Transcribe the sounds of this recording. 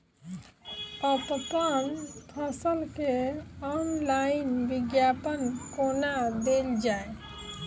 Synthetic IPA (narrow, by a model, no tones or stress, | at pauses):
əppanpʰəsəlkeɔnlaɪnʋiɡjapənkonad̪eld͡ʒae